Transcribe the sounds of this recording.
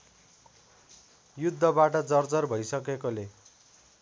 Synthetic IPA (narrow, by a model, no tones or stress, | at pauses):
jud̪ʱːʌbaʈʌd͡zʌrd͡zʌrbʱʌjsʌkekole